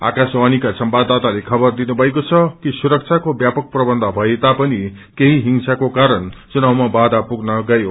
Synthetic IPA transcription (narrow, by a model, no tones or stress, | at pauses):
a̰kasanikasʌmbad̪at̪alekʰʌbʌrd̪inubʱʌekot͡sʰʌkisuɾʌk̚t͡sʰakobjapʌk̚prʌbʌnd̪ʱʌbʱʌet̪apʌni | keɦiɦiŋsakokaɾʌnt͡sunawmabad̪apuɡnʌɡajo